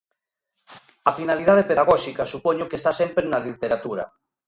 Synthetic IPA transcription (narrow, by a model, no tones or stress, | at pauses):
ɐfinaliðaðepeðaɣ̞ɔʃikasupɔɲokest̪asempɾenalit̪eɾat̪uɾa̰